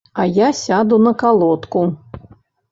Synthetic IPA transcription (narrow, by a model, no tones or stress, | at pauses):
ɐjasʲad̪unɐkalˠɔt̪ku